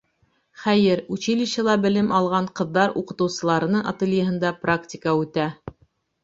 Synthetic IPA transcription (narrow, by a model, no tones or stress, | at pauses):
χæjɘɾʉt͡ɕilɘ̆ɕɘ̆lˠɑbɘ̆lɘmɑlˠʁɑɴqɤ̆ðːɑɾuqɤ̆t̪ɤ̆wsɤ̆lˠɑɾɤ̆nɤɴa̰t̪elʲjəɦɤ̆nd̪ɑpraktʲɪkəʉt̪æ